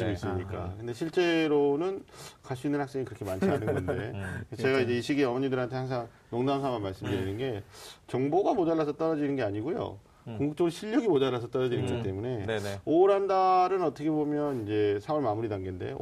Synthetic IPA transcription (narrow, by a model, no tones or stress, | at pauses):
iis͈ɯmɲik͈a̰kɯnde̞ɕʰiɭt͡ɕ͈e̞ɾonɯnkaɭs͈uinːɯnhaks͈e̞ŋikɯɾʌkʰe̞mant͡ɕʰianɯnɡʌndet͡ɕe̞ɡaid͡ʑe̞iɕʰiɡiʌmʌɲidɯɾɦantʰe̞haŋs̬ʰaŋ | noŋdams̬ʰaŋanmːaɭs͈ɯmdɯɾinɯnɡe̞t͡ɕʌŋboɡamod͡ʑaɭːasʰʌt͈ʌɾʌd͡ʑinɯnɡe̞aɲiɡujo̰ | koŋɡuk̚t͡ɕ͈ʌɡɕʰiʎjʌɡimod͡ʑaɭːas̬ʰʌt͈ʌɾʌd͡ʑinɯnɡʌt͈e̞mune̞oɾɦandaɾɯnʌt͈ʰʌkʰe̞bomjʌnind͡ʑe̞sʰaʌɭmamuɾidaŋɡende̞̰